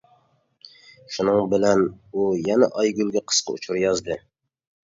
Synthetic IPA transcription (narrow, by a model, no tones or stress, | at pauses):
ʃunɨŋbɪlɛnujɛnɛ̰ʔɑjɡʲylɡʲɛqʰə̥sqʰɑ̰ṵt͡ʃʰuɾjɑzd̪ɨ